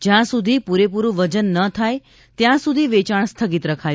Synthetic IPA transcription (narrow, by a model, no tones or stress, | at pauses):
d͡ʒjãsud̪ʱipuɾepuɾũʋəd͡ʒənːət̪ʰaj | t̪jãsud̪ʱiʋet͡ʃaɳst̪ʰəɡit̪ɾəkʰaj